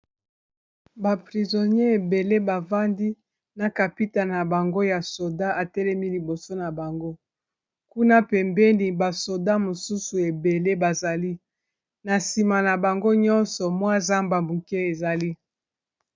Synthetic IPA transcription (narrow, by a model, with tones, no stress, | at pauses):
ba˨pʁi˨zo˨nje˦e˨be˨le˦ba˨va˦ndi˦ | na˨ka˨pi˦ta˨n˨a˨ba˨ŋɡo˦ja˨so˨da˦ʔa˨tɛ˦lɛ˦mi˦li˨bo˨so˦na˨ba˨ŋɡo˦ | ku˦na˦pɛ˨mbɛ˦ni˨ba˨so˨da˦mo˨su˦su˨e˨be˨le˦ba˨za˨li˦ | na˨si˨ma˨na˨ba˨ŋɡo˦ɲɔ˦nsɔ˨mwa˦za˦mba˨mu˨ke˦e˨za˨li˦